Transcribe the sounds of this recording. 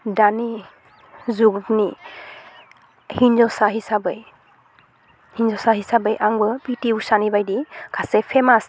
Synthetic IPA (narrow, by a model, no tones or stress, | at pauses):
dani | zuɡdni | hinzɔsaɦisabɯj | hinzɔsaɦisabɯjʔaŋbɯpitiusanibajdikʰasepʰemas